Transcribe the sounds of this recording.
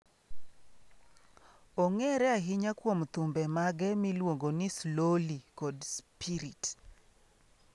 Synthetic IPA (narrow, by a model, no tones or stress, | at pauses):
oŋɛɾɛaɦɪɲakwomt̪umbɛmaɡɛmilwoŋɡonislolikɔdspiɾit